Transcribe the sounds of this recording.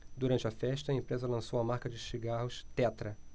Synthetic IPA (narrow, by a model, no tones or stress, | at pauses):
d̪uɾɐ̃nt͡ʃɪɐfɛʃt̪ɐẽmpɾezɐlɐ̃sowɐmaɾkɐd͡ʒɪʃiɡahʊʃt̪ɛt̪ɾɐ